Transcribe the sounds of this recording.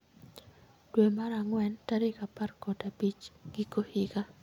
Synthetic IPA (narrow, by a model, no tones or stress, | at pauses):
dwemaɾaŋwɛntaɾɪkaparkɔdapit͡ʃɡ̥ɪkohɪɡa